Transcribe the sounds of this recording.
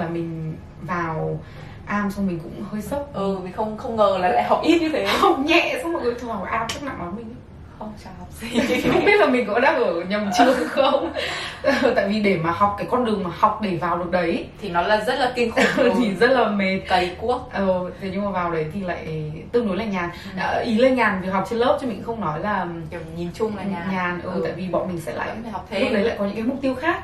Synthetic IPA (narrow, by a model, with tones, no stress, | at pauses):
laː˨˩mï˨˩ŋ̟ | vaː˨˩w | ʔaː˧msɔ˧ŋ͡mmï˨˩ŋ̟kʊ̰˧˥ŋ͡mhəː˧jsə˦˥t̚ʔɨ˨˩mi˨˩ŋ̟xə˧wŋ͡mxə˧wŋ͡mŋəː˨˩laː˨˩la̰ː˧˨jɦa˨˩wk͡p̚ʔi˦˥t̚ɲɨ˧t̪ʰe˨˦˧ha˨˩wk͡p̚ɲɛ̰˧˨sa˧˥ŋ͡mmo˨˩kə˨˦t̪ʰu˧˩haː˨˩a˨˩ʔaː˧mt͡ɕɨ˦˥k̚na̰˧˨ŋɗɔ˨˦mï˨˩ŋ̟˧˦ | xə˧wŋ͡mt͡ɕa˧˩ha˨˩k͡p̚i˧˨˩kʊ̰˧˥ŋ͡mɓi˦˥ət̚laː˨˩mi̟˨˩kɔ̰˧˥ɗa̰ː˧˥ʔəː˧˩ɲə˨˩mt͡ɕɨ˨˧˩əŋxə˧wŋ͡mə˨˩t̪a̰ː˧˨jvi˨˩ɗe˧˩maː˨˩hɔ˨˩wk͡p̚kaː˨˦jkɔ˧nɗɨ˨˩əŋmaː˨˩hɔ˨˩wk͡p̚ɗe˧˩vaː˨˩wɗɨ˨˩ək̚ɗə˨˦jt̪ʰi˨˩nɔ˨˦laː˨˩zə˦˥t̚laː˨˩ki˧ŋxt̪ʰi˨˩zə˦˥t̚laː˨˩me˨˩t̚t̪ə˨˦jku˦˥ək̚ʔə˨˧˩t̪ʰɲɨ˧ŋ͡mmaː˨˩vaː˨˩wɗə˨˦jt̪ʰi˨˩la̰ː˧˨jt̪ɨ˧əŋno˨˦jlaː˧˨˩ɲaː˨˩n | ʔəː˧ʔi˨˦le˧ɲaː˨˩nvi˨˩k̚ɦa˨˩wk͡p̚t͡ɕe˧nləː˦˥p̚t͡ɕmï̟˨˩xə˧wŋ͡mnɔ˨˦jlaː˨˩˨ɲi˨˦mt͡ɕʊ˧ŋ͡ma̰˧˨˧ɲaː˨˩nʔəː˨˧˩ta̰ː˧˨jvi˨˩ɓɔ̰˧˨nmï˨˩ŋ̟sɛ̰˧˥la̰ː˧˨˦ɨ˩˨˩k̚ɗə˨˦la̰ː˧˨kɔ˨˦ɨ̰˧˥kːa˨˦mʊ˨˩k͡p̚t̪i˧əwxaː˦˥k̚